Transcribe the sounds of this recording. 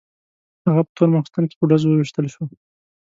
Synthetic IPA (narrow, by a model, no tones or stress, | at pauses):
haɣapə̥t̪əɾmaxst̪ɑnke̥pəɖazowəwiʃt̪əlʃwo